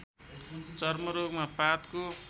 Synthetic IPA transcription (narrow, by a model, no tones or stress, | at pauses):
t͡sʌrmʌɾoɡmapat̪ko